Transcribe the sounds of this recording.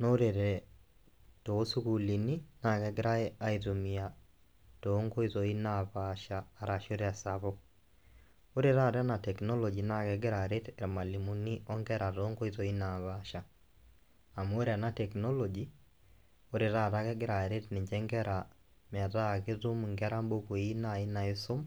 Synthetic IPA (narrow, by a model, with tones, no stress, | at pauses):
no˦ɾe˨ɾɛ | to˨˦su˦ku˨li˨ni˦na˨kɛɡɪ˦ɾa˦e˦a˦itu˨mia | to˦ŋɡo˦i˦zɔ˨i˦naβaʃaː˨ɾa˨ʃo˦ɾea˨saβɔ | o˦ɾe˦ɾa˦˨ɾa˦na˨tɛ˨knɔ˦lɔ˨d͡ʒi˨na˦kɛ˨ɡɪ˦ɾa˨ɾe˦te˨ɾma˨li˨mu˨ni˦ʔɔ˦ŋɡɛ˦ɾa˨toː˨˦ŋɡɔ˦i˦zɔ˨i˦na˨βaʃa˨ | a˨m˦o˦ɾa˨na˦tɛ˨knɔ˦lɔ˨d͡ʒi˦ | o˦ɾe˨ɾa˦ta˦kɛ˦ɡɪ˦ɾa˨e˨ɾe˦tnɪ˨ɲd͡ʒɛ˦ŋɡɛ˦ɾa˨ | mɪ˨a˨ta˦kɪ˦tu˦mŋɡɛ˦ɾa˦mbo˦ko˨i˦na˨ɪ˦na˨ɪ˦so˦m